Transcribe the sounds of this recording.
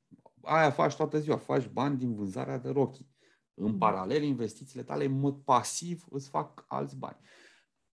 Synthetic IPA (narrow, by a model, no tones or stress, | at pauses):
ajafa̰t͡ʃʲt̪oat̪əziwafat͡ʃʲbanʲd̪invɨnza̰ɾead̪eɾo̞kʲi | ɨnpaɾale̞linve̞st̪it̪siːle̞t̪a̰le̞ɨnmo̞d̪̚pasivɨ̰t̪sʲfa̰ka̰lt̪sʲba̰nʲ